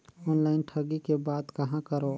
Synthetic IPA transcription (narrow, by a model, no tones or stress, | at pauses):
ɔːnlaːɪnʈʰəɡikebaːd̪kəɦãkəɾo